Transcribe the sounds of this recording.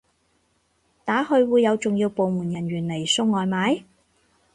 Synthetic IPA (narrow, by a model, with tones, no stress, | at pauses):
t̪aː˨˥hɵ˧ɥwuː˨˧jːɐ˨˧wt͡sʊ˨ŋjiː˧wpo˨˧wmuː˨˩njɐ˨˩nɥyː˨˩nlɐ˨˩jsʊ˥ŋŋɔː˨jmaː˨˥j